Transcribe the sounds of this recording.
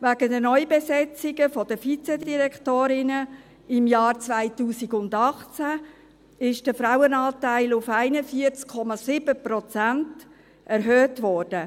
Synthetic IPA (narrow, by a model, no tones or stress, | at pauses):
ʋæɡ̥ədənɔʏjbesɛt͡sɪɡəfɔd̥əfit͡sɛdiɾɛktoːɾɪnə | ɪmjɑːɾt͡svaɪtuːsiɡʊndɑχt͡sæ | ɪʃd̥əfɾawənɑːtaɪlʊfaɪnəfiəɾt͡skʰːɔmɑsɪbəprɔt͡sænt | ʔɛɾɦøːtvɔːɾd̥ə